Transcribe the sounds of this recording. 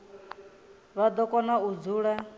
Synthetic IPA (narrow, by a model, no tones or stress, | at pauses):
βad̪ɔkɔnaud͡zʱuɺɛ